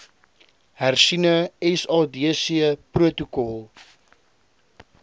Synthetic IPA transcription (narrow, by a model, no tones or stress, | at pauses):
hærsinəɛsɑːdiəsiəpruətukɔlˠ